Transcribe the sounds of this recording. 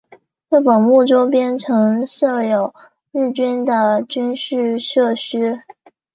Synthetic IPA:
ɻɤ˥˩pə˨˩nmu˥˩ʈ͡ʂo˥ʊp̬jɛ˥nʈ͡ʂʰɤ˧˥ŋʂɤ˥˩jo˨˩ʊ | ɻɻ̩˥˩t͡ɕy˥nd̪ə˨t͡ɕy˥nɕy˥˧ʂɤ˥˩ɕy˥

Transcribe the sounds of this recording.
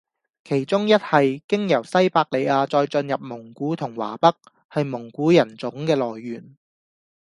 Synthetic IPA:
kʰe˨˩jt͡sʊ˥ŋjɐ˥t̚hɐ˨jkɪ˥ŋjɐ˨˩wsɐ˥jpaː˧k̚le˨˧jaː˧t͡sɔː˧jt͡sɵ˧njɐ˨p̚mʊ˨˩ŋkuː˨˥t̪ʰʊ˨˩ŋwa̰ː˨˩pɐ˥k̚ | hɐ˨jmʊ˨˩ŋkuː˨˥jɐ˨˩nt͡sʊ˨˥ŋkɛː˧lɔː˨˩jːyː˨˩n

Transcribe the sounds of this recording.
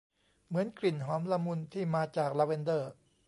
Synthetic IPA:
mɯ˩˦ənkli˨˩nɦɔː˩˦mla˧mu˧nt̪ʰiː˥˩maː˧t͡ɕaː˨˩k̚la˧we˧ndɤː˥˩

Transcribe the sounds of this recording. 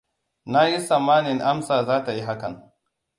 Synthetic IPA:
na˦ji˦sa˨mːaː˦nɪ˨ŋʔa˦msaː˨zaː˦ta˨ji˦ɦa˦kɐ˨ŋ

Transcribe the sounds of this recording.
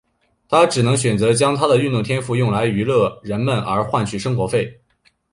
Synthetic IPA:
t̪ʰa˥ʈ͡ʂɻ̩˨˩nɤ˧˥ŋɕɥɛ˨˩nt͡sɤ˧˥t͡ɕjɑ˥ŋt̪ʰa˥d̪ə˨y˥˧nt̪ʊ˥˩ŋt̪ʰjɛ˥nfu˥˧jʊ˥˩ŋla˧˥ɪy˧˥lɤ˥˩ɻə˧˥nmə˨nə˞˧˥xwa˥˧nt͡ɕʰy˥˩ʂɤ˥ŋxwɔ˧˥fe˥˩ɪ

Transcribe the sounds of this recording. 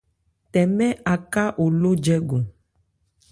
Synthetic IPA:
t̪ɛ˨mɛ̃˦ʔa˨ka˦ʔo˨lo˦d͡ʒɛ˦ɡo˨

